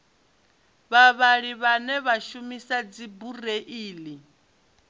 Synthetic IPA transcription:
βaβaɺiβanɛβaʃumisad͡zibureʔiːli

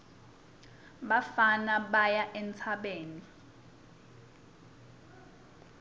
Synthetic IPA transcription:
ɓafanaɓajaʔɛnt͡sʰaɓeːni

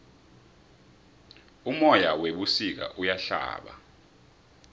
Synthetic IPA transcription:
umɔjaweɓusik̬a̰ʔujaɬa̰ːɓa̰

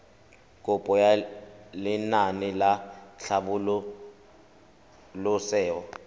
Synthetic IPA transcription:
kʼʊpʼɔjalɪnanɪlaɬaɓʊlʊ | lʊsɛːwɔ

